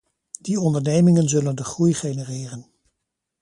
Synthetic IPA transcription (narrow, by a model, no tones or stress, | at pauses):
d̥iɔndəɹnejmɪŋənzɵləndəχrujχejnərɪːrən